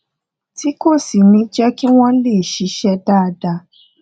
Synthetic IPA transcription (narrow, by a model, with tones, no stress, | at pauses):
ti˨˦ko˦˨si˨mĩ˨˦d͡ʒɛ˦ki˦w̃ɔ̃˦le˦˨ʃi˨˧˦ʃɛ˦daː˦˧da˧